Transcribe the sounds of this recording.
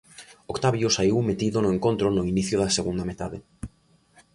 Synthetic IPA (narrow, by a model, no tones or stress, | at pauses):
okt̪aβjʊsaiwmet̪iðʊnʊeŋkont̪ɾʊnʊiniθjʊðɐseɣund̪ɐmet̪a̰ðɪ̰